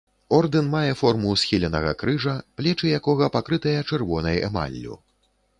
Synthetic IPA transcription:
ɔrd̪ɨnmajɛfɔrmusʲxʲilʲɛnɐɣɐ̰kɾɨʐɐplʲɛt͡ʂɨjakɔɣɐpakɾɨt̪ɐjɐt͡ʂɛrvɔnɐjɛ̰ma̰lʲːṵ

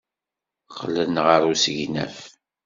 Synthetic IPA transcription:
χəlːənʁəɾˤusəʝnæ̰f

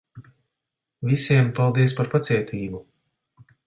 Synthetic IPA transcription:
visiɛmpalˠd̪ispaɾpat̪siɛt̪ʰiːbu

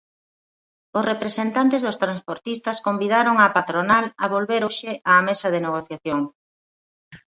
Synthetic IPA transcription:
osrepɾesent̪ant̪ezðost̪ɾanspoɾt̪ist̪ɐskombiðaɾoŋapat̪ɾonalɐβolβeɾoʃeʔaːmesɐðeneɣ̞oθjaθjoŋ

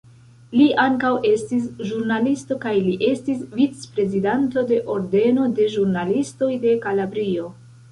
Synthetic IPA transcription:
liʔaŋkawʔe̞stis̬ʒuɾnalisto̞kajliʔe̞stisvit͡spɾe̞zidanto̞de̞ʔo̞ɾde̞no̞de̞ʒuɾnalisto̞jde̞kalabɾio̞

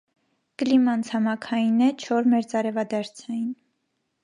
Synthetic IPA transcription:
kəlimɑnt͡sʰhɑmɑkʰɑjinɛt͡ʃʰɔɾmɛɾt͡sɑɾɛvɑd̪ɑɾt͡sʰɑjin

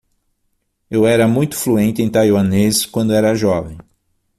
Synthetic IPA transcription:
ewɛɾɐmũj̃t̪ʊ̥fluẽnt̪ɪẽj̃t̪ajwɐneskwɐ̃nd̪ʊɛɾɐʒɔvẽj̃

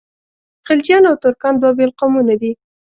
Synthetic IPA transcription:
xɪld͡ʒjɑnawt̪ʊɾkɑnd̪wabelqamunad̪i

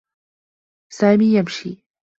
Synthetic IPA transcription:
sajmijamʃi

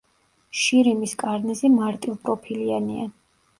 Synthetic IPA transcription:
ʃiɾimiskʼaɾnɛzimaɾt̪ʼilˠpʼɾɔpʰiliania̰

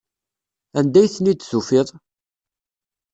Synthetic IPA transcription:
ænd̪æjθənit̪ːθufɪðˤ

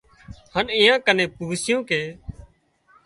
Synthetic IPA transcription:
həniːjãːkənẽːpuːsɪjõːkeː

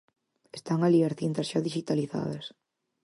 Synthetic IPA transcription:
est̪aŋaliasθint̪ɐsʃaðiʃit̪aliθa̰ðɐs

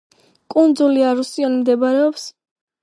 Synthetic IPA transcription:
kʼund̪zuliaɾusiɔnimd̪ɛbaɾɛɔps

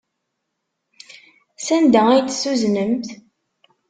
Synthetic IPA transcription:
sænd̪æijt͡sːsuznəmt̪

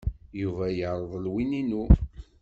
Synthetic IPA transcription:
juvæjəʕɾˤəðˤəlwininu

